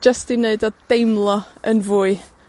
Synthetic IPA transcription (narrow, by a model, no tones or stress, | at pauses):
d͡ʒəstɪneɨdɔd̥ejmlˠɔənvuːɨ